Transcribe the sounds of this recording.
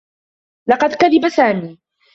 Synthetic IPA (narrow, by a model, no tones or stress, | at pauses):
lɑqɑd̪kaðɪbasaːmiː